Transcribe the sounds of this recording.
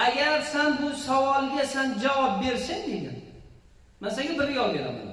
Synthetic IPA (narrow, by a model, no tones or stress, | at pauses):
aɡʲaɾsanbʊsawɒlɡʲasand͡ʒawɒb̚beɾsɪnd̪eɡʲɪ̰n | masaɡʲabɪɾɡɒlˠbeɾa̰mʊ̰d̪